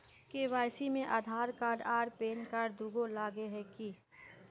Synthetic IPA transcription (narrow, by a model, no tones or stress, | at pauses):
keʋaːjsimẽʔaːd̪ʱaːɾkaːɾɖaːɖpeːnkaːɾɖd̪ɾʊɡolaːɡeɦɛki